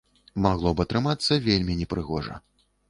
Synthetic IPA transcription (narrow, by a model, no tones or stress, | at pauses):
maɣlˠɔbɨɐt̪ɾɨmat̪sːɐvʲelʲmʲinʲɛpɾɨɣɔʐɐ̰